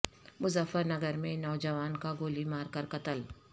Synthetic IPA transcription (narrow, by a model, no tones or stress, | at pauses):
mʊzəfəɾnɐɡəɾmẽnɔːd͡ʒɐʋaːnkaɡoːlimaːɾkɐɾkɐt̪əl